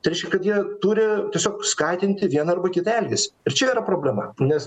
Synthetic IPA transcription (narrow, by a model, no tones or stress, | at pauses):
t̪ɐɾɛɪʃʲkʲɛkɐt̪jiɛt̪uːɾʲɪt̪ʲiɛsʲoːkskɑːt̪ʲɪnʲt̪ʲɪʋʲiɛnɐɐrbɐkʲɪt̪ɛlʲɡʲɪsʲɪrt͡ʃʲɛiːɾɐpɾoːbʲlʲɛmɐnʲɛs